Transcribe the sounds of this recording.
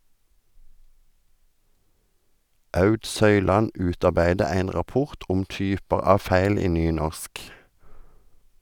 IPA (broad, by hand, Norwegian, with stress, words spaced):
ˈʔɑʉd ˈsœʏˌlɑn ˈʉːtɑʁˌbæɪdə ˈeɪn ʁɑˈpʊʁt ˈɔm ˈtyːpɑʁ ˈɑːʋ ˈfæɪl ˈiː ˈnyːˌnɔʁsk